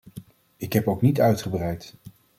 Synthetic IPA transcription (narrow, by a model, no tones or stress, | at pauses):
ɪkɦɛpowknitœɥtχəbrɛjt